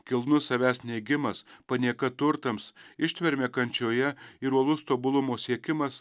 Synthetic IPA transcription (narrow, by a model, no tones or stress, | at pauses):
kʲɪlˠnʊsɐʋʲæːsnʲɛɪɡʲɪmɐspɐnʲiɛkɐt̪ʊɾt̪ɐmsɪʃʲt̪ʲʋʲɛɾʲmʲɛːkɐnʲt͡ʃʲoːjɛiɾuɔlˠʊst̪oːbʊlˠʊmoːsʲiɛkʲɪmɐs